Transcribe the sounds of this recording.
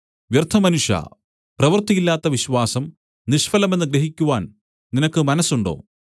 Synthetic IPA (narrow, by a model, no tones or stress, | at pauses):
ʋjɐrt̪ʰɐmɐnuʂjɐ̰ | prɐʋɐrt̪ːiɣilːaːt̪ːɐʋiɕwaːsɐm | niʂfɐlɐme̞nːɨɡɾeɦikʲːuʋaːn | ninɐkːɨmɐnɐsːuɳɖo̞̰ː